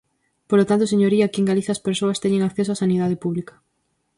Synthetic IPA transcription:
polot̪ant̪oseɲoɾiakieŋɡaliθaːspeɾsoɐst̪ɛɲeŋakθesoasaniðaðɪpuβlikɐ̥

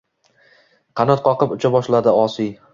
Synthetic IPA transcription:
qʰɑnɒt̪̚qʰɒqɨpʊt͡ʃʰabɒʃlad̪ɪɒsij

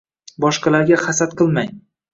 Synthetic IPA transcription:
bɒʃqɑlaɾɡʲaχasat̪qʰɨlˠmaj

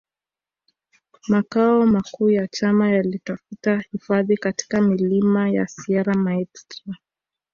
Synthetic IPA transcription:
makaɔmakuːjat͡ʃamajalitafutahifaðikati̥kamilimajasiaɾamaɛkstɾa

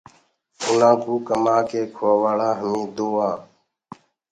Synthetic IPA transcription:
ʊnãːkuːkəmaːkeːkʰoaːʋaːɽaːɦəmĩːd̪oːãː

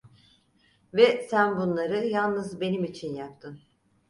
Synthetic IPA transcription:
vɛsænbunlˠaɾɯjalˠnɯzbe̞nimit͡ʃʰinjap̚t̪ʰɯn

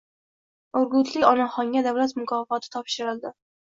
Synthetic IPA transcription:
ʊɾɡʊt̪ʰlɪkʲɒnaχɒŋɡʲad̪avlat̪mʊkʰɒfɒt̪ʰɪ̥t̪ʰɒpʃɪɾɪld̪ɪ

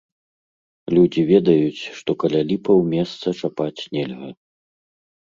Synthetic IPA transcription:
lʲud͡zʲivʲɛd̪ɐjut͡sʲʂt̪ɔkɐlʲalʲipɐwmʲɛst̪sɐt͡ʂapat͡sʲnʲɛlʲɣɐ

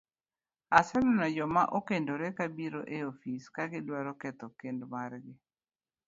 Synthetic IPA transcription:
asɛnɔnad͡ʒɔma̰ʔokendoɾɛkabiɾoʔeofiskaɡɪdwaɾɔkɛt̪ɔkendmarɡɪ

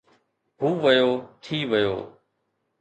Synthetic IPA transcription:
ɦuːʋəjoːt̪ʰiːʋəjo̰ː

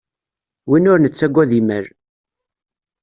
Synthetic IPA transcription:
winʊɾnət͡sːæɡʷːæðimə̰ɾ

